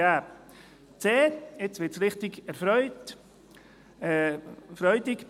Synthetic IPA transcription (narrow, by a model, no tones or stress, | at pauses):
aː | t͡seːet͡svɪtsɾɪχtɪɡɛɾfɾœʏt | fɾœʏdɪɡ